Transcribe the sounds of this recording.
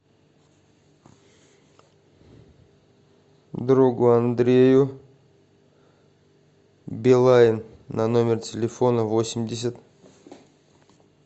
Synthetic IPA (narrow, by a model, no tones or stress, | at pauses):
d̪ɾuɡʊand̪ɾʲejʊ | bʲɪlˠaɪnː | ano̞mʲɪrtʲɪlʲɪfo̞nəvo̞sʲɪmdʲɪs̬ʲət̪